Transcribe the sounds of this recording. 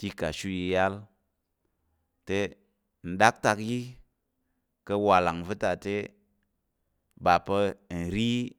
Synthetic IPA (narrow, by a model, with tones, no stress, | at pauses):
ti˦ka˨ʃu˦ji˧ja˦l | te˦ | n̩˨ɗa˦k̚ta˧kji˦ | kə˧wa˨la˨ŋvɨ˦ta˨te˦ | ba˨pə˧˨n̩˨ɾi˦